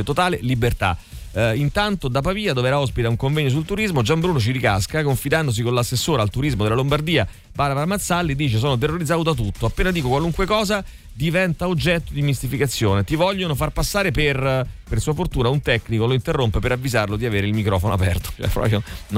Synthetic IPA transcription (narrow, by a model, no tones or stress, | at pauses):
t̪ot̪aːlelibert̪a̰ | int̪ant̪od̪apːapiːad̪oveɛːɾaɔspit̪auŋkoɱvɛɲːos̬ult̪uɾizmod͡ʒambɾuːnot͡ʃiɾika̰skakoɱfid̪and̪os̬ikonlasːesːoːɾalt̪uɾizmod̪elalombard̪iːa | baɾavaɾamat̪sːalːid̪iːt͡ʃes̬oːnot̪̬erːoɾid̪zːaːod̪at̪ut̪ːoapːeːnad̪iːkokwaluŋkwekɔːza | d̪ivɛnt̪aod͡ʒɛt̪ːod̪imist̪ifikat̪sːjoːnet̪ivɔʎːonofarpasːaːɾeperpersuːafort̪uːnaunt̪ɛknikoloint̪erːompepeɾavːizarlod̪iaveːɾeilmikɾɔːfonoa̰pɛ̰rt̪o̥t͡ʃo̰ɛ̰pɾɔ̰pɾjon